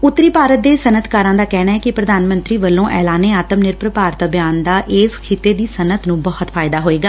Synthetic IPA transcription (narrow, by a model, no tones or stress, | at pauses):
ʊt̪ːɾiːpaːɾət̪̚d̪eːsənət̪ʰkaːɾãːd̪aːkɛːɽaːɦɛːkɪpɾəd̪aːnmə̃nt̪ɾiːʋəlːõːʔɛːlaːneːaːt̪əmnɪɾpɾəpaːɾt̪bjaːnd̪aːʔɪːskʰɪt̪eːd̪iːsənət̪nũːbɔːət̪fʰaːɪd̪aːɦoːeːɡaː